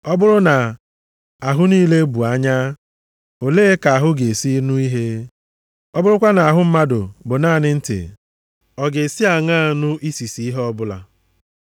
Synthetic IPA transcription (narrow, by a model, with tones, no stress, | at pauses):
ɔ˦bʊ˦ɾʊ˦na˨ | a˨ɦʊ˦niː˦le˦bu˨a˦ɲa˦ | o˨leː˦ka˨a˨ɦʊ˦ɡe˨si˦nu˦i˦ɦe˦ | ɔ˦bʊ˦ɾʊ˦kʷa˦na˨a˨ɦʊ˦m̩˦ma˦dʊ̰˨bʊ˨naː˦˨nɪ˦n̩˦tɪ̰˨ | ɔ˨ɡe˨si˦a˨ŋa˦˨nʊ˦ʔi˦si˨si˨˦i˦ɦɔ˦bʊ˦la̰˨